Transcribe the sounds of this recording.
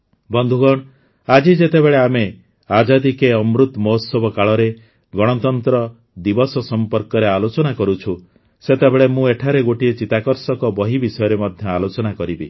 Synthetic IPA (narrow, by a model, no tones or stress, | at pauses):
bɔnd̪ʱuɡɔɽ̃ | ad͡ʒid͡ʒet̪ebeɭeame | ad͡ʒad̪ikeɔmɾut̪mɔɦsɔbɔkaɭɔɾe | ɡɔɽ̃ɔt̪ɔnt̪ɾɔ | d̪ibɔsɔsɔmpɔɾkɔɾealot͡ʃɔnakɔɾut͡ʃʰu | set̪ebeɭemũeʈʰaɾeɡoʈiet͡ʃit̪akɔɾsɔkɔbɔɦibisɔjɔɾemɔd̪ʱjɔalot͡ʃɔnakɔɾibḭ